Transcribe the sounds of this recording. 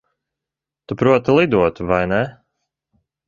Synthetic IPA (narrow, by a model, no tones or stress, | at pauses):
t̪upɾuɔt̪ilˠid̪uɔt̪uvajnɛ